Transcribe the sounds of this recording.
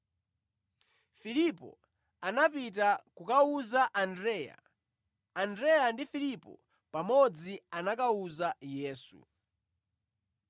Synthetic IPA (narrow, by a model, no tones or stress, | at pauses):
filipɔ̰ | anapitakukauzaʔandɾɛːja̰ː | ndɾɛjandifilipɔ̰ | pamɔd͡zianakauzajɛːsṵ